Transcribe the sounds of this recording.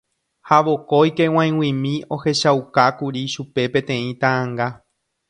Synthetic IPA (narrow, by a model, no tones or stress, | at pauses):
haʋo̞ko̞jke̞w̃ãj̃wĩmĩo̞he̞ʃawkakuɾiʃupe̞pẽ̞t̪ẽ̞ĩt̪ããŋɡa